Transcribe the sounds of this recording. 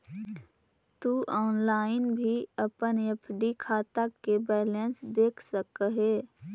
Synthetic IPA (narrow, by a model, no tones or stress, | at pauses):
t̪uʔɔːnlaːɪnbʱiəpənepʰɖikʰaːt̪akebɛːlensd̪eːkʰsəkəɦeː